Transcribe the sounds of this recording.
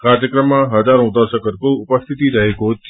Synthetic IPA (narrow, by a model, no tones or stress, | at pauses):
kaɾjəkɾəmːãɦəd͡ʒaɾõud̪aʃəkəɾkoʊpəst̪ʰit̪iɾəɦeko